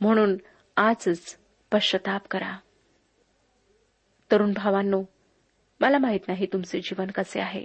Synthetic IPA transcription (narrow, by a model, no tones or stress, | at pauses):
m̤əɽ̃uːn | ad͡zt͡s | pəɕət̪apkəɾa | t̪əɾuːnbʱaʋanːoː | məlamaɦiːt̪naɦiːt̪umt͡sed͡ʑiʋənkəsḛaɦḛ